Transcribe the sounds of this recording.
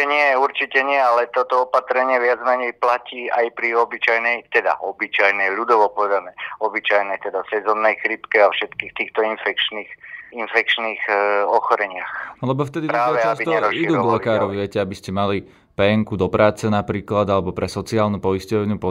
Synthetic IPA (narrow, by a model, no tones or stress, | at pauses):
ɛɲɪɛuɾt͡ʃicɛɲɪɛalɛt̪ɔt̪ɔɔpat̪ɾɛɲɪɛʋɪad͡zmɛɲɛjplaciːajpɾiɔbit͡ʃajnɛjt̪ɛd̪a̰ɔbit͡ʃajnɛʎud̪ɔʋɔpɔʋɛd̪amɛɔbit͡ʃajnɛt̪ɛd̪asɛzɔnːɛjxɾipkɛafʃɛt̪kiːxt̪iːxt̪ɔinfɛkt͡ʃniːxinfɛk̚t͡ʃniːxɔxɔɾɛɲɪaxlɛbɔft̪ɛd̪itpɾat̪ːʋɛt͡ʃasbit̪ɔɛɾɔʃiiɾd̪uːɾɔɡlɛkaːɾɔʋiʋɪɛcɛabiscɛmali | pɛɛŋkud̪ɔpɾaːt͡sɛnapɾiːklad̪alɛbɔpɾɛsɔt͡siaːlnupɔiscɔʋɲɪupɔ